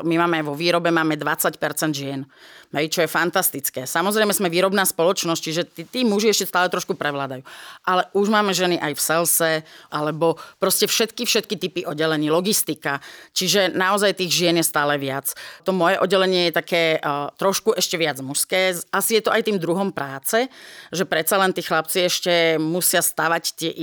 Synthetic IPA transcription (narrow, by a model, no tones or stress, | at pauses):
mimaːmɛʋɔʋiːɾɔbɛmaːmɛd̪ʋat͡sacpɛɾt͡sɛnd̪ʒɪɛnɦɛjt͡ʃɔjɛfant̪ast̪it͡skɛːsamɔzɾɛjmɛzmɛʋiːɾɔbnaːspɔlɔt͡ʃnɔsc̚t͡ʃiʒɛt̪it̪iːmuʒiɛʃcɛst̪aːlɛt̪ɾɔʃkupɾɛʋlaːd̪ajuːʔalɛʔuʒmaːmɛʒɛniʔajfsɛlsɛʔalɛbɔpɾɔscɛfʃɛt̪kifʃɛt̪̚kit̪ipiʔɔɟɛlɛɲiːlɔɡist̪ikat͡ʃiʒɛnaɔzajt̪iːɣʒɪɛnjɛst̪aːlɛʋɪat͡st̪ɔmɔjɛʔɔɟɛlɛɲɪɛjɛt̪akɛːt̪ɾɔʃkuʔɛʃcɛʋɪad͡zmuʃskɛːʔasijɛt̪ɔʔajt̪iːmd̪ɾuɦɔmpɾaːt͡sɛʒɛpɾɛt͡salɛnt̪iːxlap̚t͡siɛʃcɛmusɪast̪aʋact̪ɪɛʔ